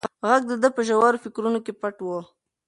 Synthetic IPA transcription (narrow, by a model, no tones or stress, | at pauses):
ɣaɡ̚d̪əd̪əpəʒawɑɾofɪkɾunokepaʈwo